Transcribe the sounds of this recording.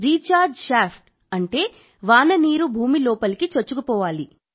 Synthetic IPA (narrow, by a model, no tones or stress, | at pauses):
ɾiːt͡ʃaːɾɖʃaːpʰʈ | ɐɳʈe̞ː | ʋaːnɐniːɾubʱuːmilɔːpɐlikit͡ʃot͡ʃːukupɔːʋaːli